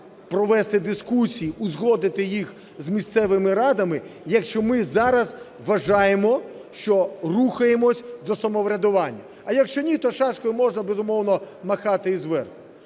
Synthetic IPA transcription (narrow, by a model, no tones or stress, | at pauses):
pɾɔʋɛst̪ɪd̪ɪskusʲijiʔʊzɦɔd̪ɪt̪ɪjix | zmʲist̪sɛʋɪmɪɾɑd̪ɐmɪjɐkʃt͡ʃɔmɪzɑɾɐz | ʋɐʒɑjemɔ | ʃt͡ʃɔruxɐjemɔsʲd̪ɔsɐmɔʋɾʲɐd̪ʊʋɑnʲːɐ | ɐjɐkʃt͡ʃɔnʲit̪ɔʃɑʃkɔjʊmɔʒnɐbezʊmɔwnɔ | mɐxɑt̪ɪizʋɛrxʊ̥